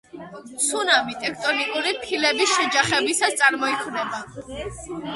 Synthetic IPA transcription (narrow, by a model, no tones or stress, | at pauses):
sunamit̪ʼɛkʰt̪ʼɔnikʼuɾipʰilɛbisʃɛd͡ʒaχɛbisast̪sʼaɾmɔikʰvnɛba